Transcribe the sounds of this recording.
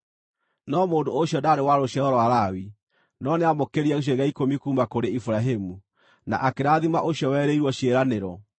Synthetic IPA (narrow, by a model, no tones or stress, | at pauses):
nɔmoːndooɕjɔdaːɾewaɾoɕjɛɾɔɾɔwaɾawi | nɔneamokeɾiɛɣoɕ̬ɔɣaikomikuːmakoɾeifuɾaɦemu | na̰ʔakeɾaðimaʔoɕjɔwɛːɾeiɾwɔɕjeɾaneɾɔ